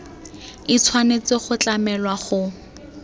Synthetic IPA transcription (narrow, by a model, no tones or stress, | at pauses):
ɪt͡sʰwanet͡sɪχʊt͡ɬamɛlwaχʊ